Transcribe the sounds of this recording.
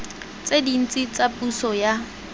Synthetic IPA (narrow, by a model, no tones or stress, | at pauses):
t͡sʼedin̩t͡sʼit͡sʼapʼusɔja